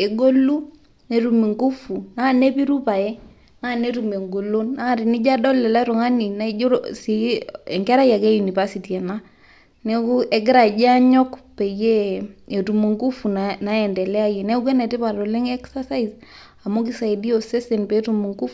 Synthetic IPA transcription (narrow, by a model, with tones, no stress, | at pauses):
e˨ɡo˦lu˦ | ne˦ɾu˨mi˨ŋɡu˦fu˨na˦˨ne˦pi˦ɾu˦pa˨ɛ˦ | na˦˨ne˦tu˨me˨ŋɡo˨lo˦nːa˦˨ɾi˨ni˦d͡ʒa˦dɔ˦lɛ˨la˦ɾo˨ŋa˦ni˨na˦o˦ɾsi˨e˨ŋɡɛ˦ɾa˦ja˨ke˦ju˨ni˨βa˦si˨ti˨a˨na˦ | ne˦ku˦ʔe˨ɡɪ˦ɾa˨d͡ʒa˦ɲɔ˦kpe˨je˦e˨tu˨mu˨ŋɡu˦fu˨nna˦ɛ˨ndɛ˨lɛ˦a˦je˨ne˦k̬we˦nɛ˨ti˦pa˨ɾo˨le˦ŋɛ˦ksa˦sa˦i˨z | a˨mo˦k̬i˦sa˨i˨di˦o˨se˦se˨npe˨˦tu˨mu˨ŋɡu˦f